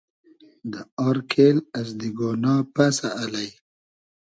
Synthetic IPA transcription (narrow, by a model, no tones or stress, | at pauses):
d̪əaɾkʰelazd̪iɡonɑːpasaʔːlaj